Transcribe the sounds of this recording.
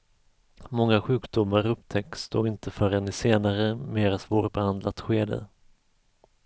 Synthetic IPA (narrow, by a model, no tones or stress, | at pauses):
mɔŋːaɧʉ̟ːkd̪ʊmːaɾɵpt̪ʰɛk̚tːsd̪o̰ːɡɪnt̪əfœɾɛnɪseːnaɾəmeːɾasvoːɾbɛhand̪lat̪ɧeːd̪ə̰